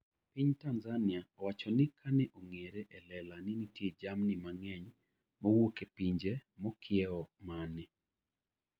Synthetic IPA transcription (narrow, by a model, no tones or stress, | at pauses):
piɲtanzaniawat͡ʃɔnɪkʰanɛʔoŋeɾɛʔɛlɛlanɪnitjed͡ʒamnɪmaŋɛɲ | mɔwokepiɲd͡ʒemɔkʰjɛɔmanɪ